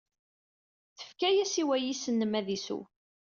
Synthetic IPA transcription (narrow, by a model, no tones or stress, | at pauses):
θə̥fkæjæsiwæjisənːəmæðisṵ